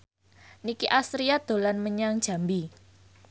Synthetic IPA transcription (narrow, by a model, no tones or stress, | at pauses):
nikiʔasɾiad̪̥o̤lanməɲaŋd̥ʒ̥a̤mbi